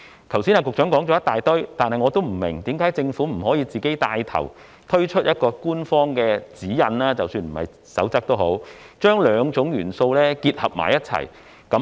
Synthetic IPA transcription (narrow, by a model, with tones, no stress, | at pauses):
t̪ʰɐ˨˩wsiː˥naː˧kʊ˨k̚t͡ʃœː˨˥ŋkɔː˨˥ŋt͡ʃɔː˨˧˥jɐ˥t̪aː˨jt̪ɵ˥ɥt̪aː˨nhɐ˨jŋɔ˨˧t̪o˥wm̩˨˩mɪ˨˩ŋt̪iː˨˥mkaː˨˥jt͡sɪ˧ŋfuː˨˥m̩˨˩ɦɔː˨˥jiː˧t͡siː˨ke˨˥jt̪aː˧jt̪ʰɐ̰˨˩w | t̪ʰɵ˥ɥt͡ʃʰɵ˥t̚jɐ˥t̚kɔː˧kuː˥nfɔː˥ŋkɛː˧t͡siː˨˥jɐ˨˧nlaː˥t͡sɐ˨wsyː˧nm̩˨˩hɐ̰˨˩j | sɐ̰˨˥wt͡sɐ˥k̚t̪o˥wɦo˨˥wt͡ʃœː˥ŋlœː˨˧ŋt͡sʊ˨˥ŋjyː˨˩nso˧wlɛː˥kiː˧t̚hɐ˨p̚ma̰ː˨˩jɐ˥t̚t͡sʰɐ̰˨˩j | kɐ˨˥